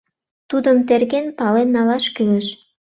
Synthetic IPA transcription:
t̪ud̪əmt̪erɣenpɑlenːɑlɑʃkyleʃ

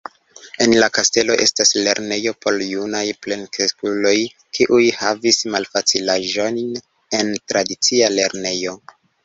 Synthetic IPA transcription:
e̞nlakaste̞lo̞ʔe̞stasle̞ɾne̞jo̞pʰo̞ɾjunajple̞nkeskulo̞j | kʰiʔujhavismalfat͡silaʒo̞nn | e̞ntɾadit͡siale̞ɾne̞jo̞

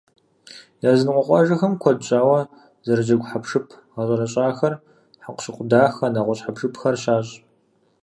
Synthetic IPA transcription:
jaːzɨnqʷɔqʷɑʒɐxɐmkʷʰɔdt͡ʃʼaːwɐ | zɐɾɨd͡ʒɐɡʷħapʰʂɨpʰ | ʁɐɕʼɐɾɐɕʼaːxɐr | ħaqʷɕɪqʷʊdaːxɐnaʁʷɔɕħapʰʂɨpʰxɐrɕaːɕʼ

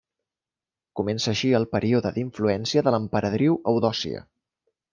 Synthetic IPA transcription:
kumɛnsəːʃiəlˠpəɾʔioðəðiɱfluɛnsiəðələmpəɾəðɾiwəwðɔsḭə̰

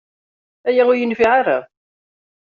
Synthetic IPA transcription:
æjaʊɾjənfiʕaɾa

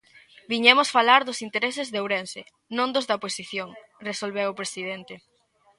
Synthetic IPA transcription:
biɲɛmʊsfalaɾðʊsint̪eɾesɪzðewɾense | nõnd̪ʊzðɐposiθjoŋresolβewʊpɾesiðent̪e

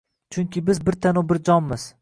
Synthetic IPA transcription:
t͡ʃʰʊŋkʲɪbɪzbɪɾt̪ʰanʊbɪɾd͡ʒɒnmɪz̥

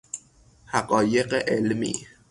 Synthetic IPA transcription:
haqɔjeqeʔelmḭ

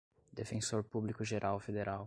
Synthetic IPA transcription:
d̪efẽsoɾpublikʊʒeɾʔawfed̪eɾʔaw

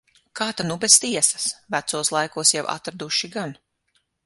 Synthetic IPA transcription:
kaːt̪anubest̪iɛsḁsvæt̪suɔslˠajkuɔsjawʔa̰t̪ɾad̪uʃiɡan

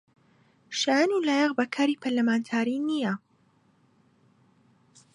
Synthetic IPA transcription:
ʃajaːnilaːjɛʁbɐkʰaːɾipʰɐɾlɐmaːnt̪ʰaːɾinijɐ

